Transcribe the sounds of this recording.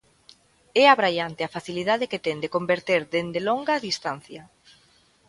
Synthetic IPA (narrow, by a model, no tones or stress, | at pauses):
ɛaβɾaʎant̪eafaθiliðaðeket̪ɛnd̪ekombeɾt̪eɾd̪end̪eloŋɡaðist̪an̟θjɐ